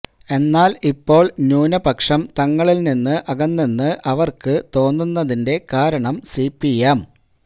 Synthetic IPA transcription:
e̞nːaːlipːo̞ːɭnuːnɐbɐkʂɐmt̪ɐŋːɐɭilninːɨʔɐɣɐnːinːɨʔɐʋɐrkɨt̪o̞ːnːunːɐðinde̞kaːɾɐɳɐmsipːijɐm

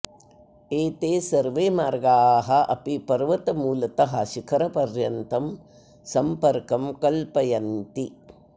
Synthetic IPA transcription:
eːt̪eːsɐɾʋeːmaːɾɡaːɦɐʔɐ̰pipɐɾʋɐt̪ɐmuːlɐt̪ɐɦɐ̰ʃikʰɐɾɐpɐɾjɐnt̪ɐm | sɐmpɐɾkɐmkɐlpɐjɐnt̪i

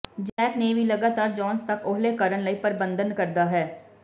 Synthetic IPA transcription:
d͡ʒɛːkneːʋiːləɡaːt̪aːɾd͡ʒɔːnst̪əkʰʊɦleːkəɾənləiːpəɾbənd̪ənkəɾd̪aːɦɛː

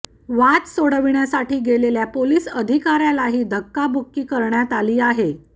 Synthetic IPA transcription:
ʋat̪soɽəʋiɳjasaʈiːɡeleljapoliːsəd̪ʱikaɾjalaɦiːd̪ʱəkːabokːiːkəɾɳjat̪aliːaɦe

